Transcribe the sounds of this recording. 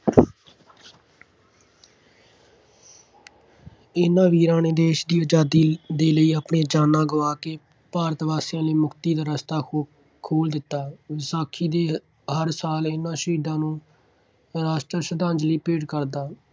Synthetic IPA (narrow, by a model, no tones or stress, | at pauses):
ɪnãːʋiːɾãːneːd̪eːʃd̪iːəd͡ʒaːd̪iːd̪eːləiːəpɳeːd͡ʒaːnːãːɡəʋaːkeː | paːɾət̪ʋaːsjãːleːmʊkʰt̪iːd̪aːɾəst̪aː | kʰoːld̪ɪt̪ːaːʋɪsaːkʰiːd̪eː | ɦəɾsaːlɪnːãːʃiːd̪ãːnũː | ɾaːʃʈɾəsəd̪ãːɲd͡ʒliːpeːɖkəɾd̪aː